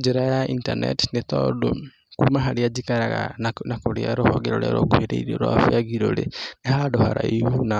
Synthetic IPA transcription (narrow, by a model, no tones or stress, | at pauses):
d͡ʒeɾajaintanḛtnet̪ɔdo | kumaɦaɾiad͡ʒikaɾaɣa̰nakoɾiaɾohɔɡɛɾoɾḛɾokuheɾeiɾoɾwa̰fwaɡiɾoleehadoha̰ɾaihuna